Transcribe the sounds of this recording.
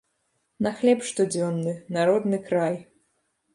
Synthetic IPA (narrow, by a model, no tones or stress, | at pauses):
nɐxlʲɛpʂt̪ɔd͡zʲɔnːɨnaɾɔd̪nɨkɾaj